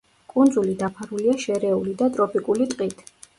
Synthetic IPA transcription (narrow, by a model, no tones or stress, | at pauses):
kʼund̪zulid̪apʰaɾuliaʃɛɾɛulid̪at̪ʼɾɔpʼikʼulit̪ʼqʼit̪ʰ